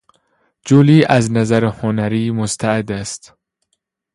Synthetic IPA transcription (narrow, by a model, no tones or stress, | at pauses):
d͡ʒoliːʔæznæzæɾehonæɾiːmost̪ʰæed̪æst̪